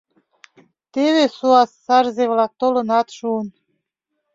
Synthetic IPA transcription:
t̪eβesuɑsːɑrzeβlɑk̚t̪olə̆nɑt̪ʃuən

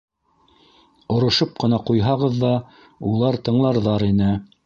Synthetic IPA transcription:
ŏɾŏʃop̚qɤ̆nɑqujɦɑʁɤðːɑ | ulˠɑɾt̪ɤ̆ɴlˠɑɾðɑɾinɘ

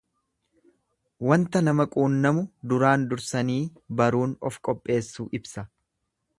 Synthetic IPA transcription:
wɐnt̪ɐnɐmɐkʼuːnːɐmʊd̪ʊɾaːnd̪ʊɾsɐniːbɐɾuːnɔfkʼɔpʼːe̞ːsːuːʔɪbsɐ

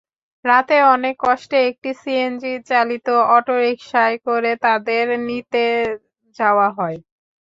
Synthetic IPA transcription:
ɾat̪eɔnekːɔʃʈeek̚ʈisiend͡ʑit͡ɕalit̪oɔʈoɾikʃaekoɾet̪ad̪eɾnit̪e | d͡ʑaoaɦɔe

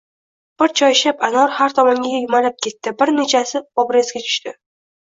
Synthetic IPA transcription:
b̥ɪɾt͡ʃʰɒjʃapanɒɾhaɾt̪ʰɒmɒŋɡʲajʊmalɪp̚kʲʰe̞t̪ːɪbɪɾne̞t͡ʃʰasɪɒbɾezɡʲat͡ʃʰʊ̥ʃt̪ɪ

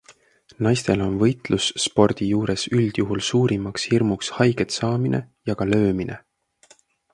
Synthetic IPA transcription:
nɑjst̪e̞lo̞nvɤjt̪lusːpo̞rd̪̥ijuːɾesyld̪̥juɦulsuːɾimɑkshirmukshɑjɡ̥e̞t̪sɑːmine̞̰jɑɡ̥ɑlø̞ːmine̞̰

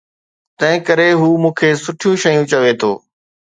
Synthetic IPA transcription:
t̪ɐ̃ɦɪ̃kəɾeɦuːmũːkʰesʊʈʰɪjũʃɐjũt͡ɕɐʋet̪ʰo̰ː

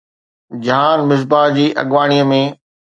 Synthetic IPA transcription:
d͡ʑaːnmɪs̬baːɦd͡ʑiːʔɐ̰ɠʋaːɽ̃ijəmẽ

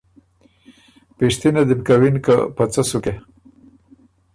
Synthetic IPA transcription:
peʂt̪inad̪imkawinka̰pət͡səsuke

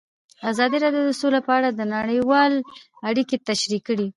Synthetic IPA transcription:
azɑd̪iɾɑɖjod̪əsolapəaɽad̪ənaɽəjwɑl | aɽiket̪aʃɾikəɽi

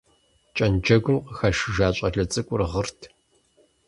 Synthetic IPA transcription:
t͡ʃʼɐnd͡ʒɐɡʷʊmqəxaʃɪʒaːɕʼɐɮɐt͡sʼɨkʷʼʊrɨʁərtʰ

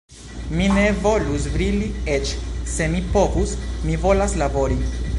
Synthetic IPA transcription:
mine̞vo̞lus̬vɾiliet͡ʃse̞mipo̞vusmivo̞laslabo̞ɾi

